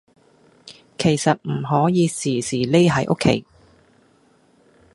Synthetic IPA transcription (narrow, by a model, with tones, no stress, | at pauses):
kʰe˨˩jsɐ˨t̚m̩˨˩ɦɔː˨˥jiː˨˧siː˨˩siː˨˩le˥jɦɐ˨jʔo̰˥kʰːḛ˨˥j